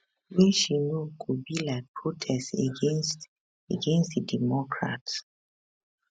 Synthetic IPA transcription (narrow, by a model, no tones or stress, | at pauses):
wɛʃinokʰubilaɪk̚pʰɹotʰɛsteɡenst | eɡẽnstðidɛmɔkʰɹa̰ts